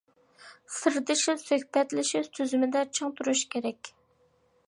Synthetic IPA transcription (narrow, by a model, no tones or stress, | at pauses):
sɨɾd̪ɨʃɪsøhbɛt̪lɪʃɪsʰøzymɪd̪ɛt͡ʃʰɨŋt̪ʰuɾuʃkʲʰeɾɛkʲ